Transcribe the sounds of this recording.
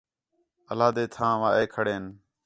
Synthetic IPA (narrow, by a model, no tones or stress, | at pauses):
əlaːd̪eːt̪ʰãːʋaːʔeːkʰəɽeːn